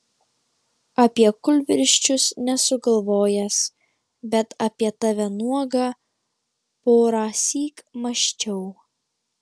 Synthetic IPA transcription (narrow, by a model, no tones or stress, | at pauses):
ɐpʲiɛkʊlʲʋʲɪɾʲʃʲt͡ʃʲʊsnʲɛsʊɡɐlˠʋoːjɛs | bʲɛt̪ɐpʲiɛt̪ɐʋʲɛnuɔɡɑː | poːɾɑːsʲiːkmɐʃʲt͡ʃʲɛʊ